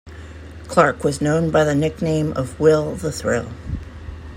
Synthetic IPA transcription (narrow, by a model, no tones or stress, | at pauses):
kʰl̥ɑɹkwʌznõʊ̃nbaɪðɨnɪk̚nẽɪ̃mʔʌvwɪlˠðəθɹɪ̰lˠ